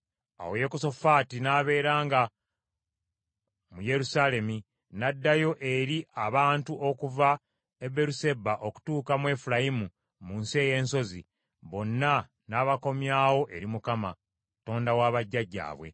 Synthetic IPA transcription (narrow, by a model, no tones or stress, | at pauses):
a̰woje̞koso̞faːtinaːβe̞ːɾaːŋɡa | muje̞ɾusale̞mi | nadːajo̞ʔe̞ɾiʔaβaːntuʔo̞kuva | ebe̞ɾuse̞baʔo̞ku̥tuːkamwe̞fuɾajimu | munsie̞ːje̞ːnso̞zḭ | βo̞nːa | naːβako̞mjaːwo̞ʔe̞ɾimukama̰ | to̞ːndawaːβaɟːaɟːa̰ːβwe̞̰